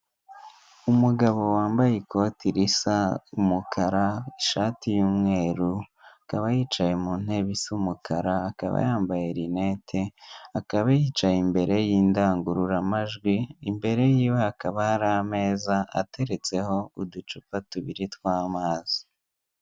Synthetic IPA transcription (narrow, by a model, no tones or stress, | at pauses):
umuɡaβo̞waːmbajekʰo̞tiɾisaumukʰaɾaiʃaːtijuːmŋe̞ːɾuakaβajiːt͡ʃajemuːn̥he̞βisumukʰaɾaːka̰βa̰jaːmbajeɾine̞tʰeakaβajiːt͡ʃajimbe̞ɾe̞jiːndaːŋɡuɾuɾamaʒɡwiːmbe̞ɾe̞jiːwe̞akaβahaɾame̞ːzaʔa̰te̞ɾe̞t͡se̞ho̞udut͡ʃupatuβiɾitwaːmaːzi